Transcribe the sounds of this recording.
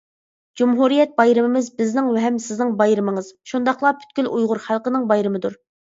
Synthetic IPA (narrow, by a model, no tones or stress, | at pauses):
d͡ʒumɦuɾijɛt̪̚bɑjɾɨmɪmɪzbɪznɪŋwɛɦɛmsɪznɪŋbɑjɾɨmɨŋɨz̥ʃund̪ɑχlˠɑpʰy̥t̪̚kʲylʔujʁʊɾχælˠqənɪŋbɑjɾɨmɨd̪uɾ